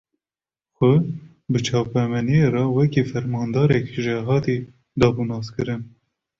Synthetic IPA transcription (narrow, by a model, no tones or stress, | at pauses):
xʷʊ | bɨt͡ʃʰɑːpɛmɛnijerɑwɛkiːfɛɾmɑːnd̪ɑːɾɛkʒɛɦɑːt̪iː | d̪ɑːbunɑːskɨɾɨn